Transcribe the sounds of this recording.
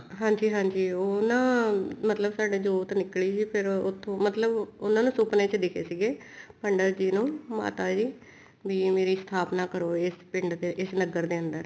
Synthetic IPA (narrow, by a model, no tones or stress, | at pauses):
ɦãːɲd͡ʒiːɦãːɲd͡ʒiːonãːmət̪ləbsaːɖeːd͡ʒoːt̪nɪkɭiːsiːpʰɪɾʊt̪ʰːõːmət̪ləbʊnãːnũːsʊːpnẽːt͡ʃd̪ɪkʰḛːsiːɡeː | pəɳɖəɾd͡ʒiːnõːma̰ːt̪aːd͡ʒiː | biːmeːɾiːst̪ʰaːpnaːkəɾoːɪspɪ̃ɳɖ̪eɪsnəɡəɾd̪eːənd̪əɾ